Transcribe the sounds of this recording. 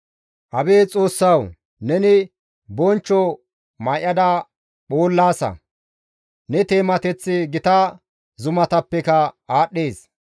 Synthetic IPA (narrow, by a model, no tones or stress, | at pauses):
ʔɐbeːt͡sʼo̞ːsːɐw | nɛnɪ | bɔnt͡ʃːɔ | mɐjʔɐd̪ɐ | ɓoːlːaːsɐ̰ | nɛt̪e̞ːmɐt̪ɛt͡sːɪɡɪt̪ɐ | zʊmɐt̪ɐpːɛkɐaːɗːeːs